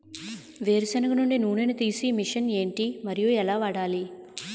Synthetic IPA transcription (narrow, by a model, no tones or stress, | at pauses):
ʋeːɾusɐnɐkɐnuɳɖinuːnenɐt̪iːsimiʂɐne̞ːɳʈimɐɾijuɛlaːʋɐɽaːli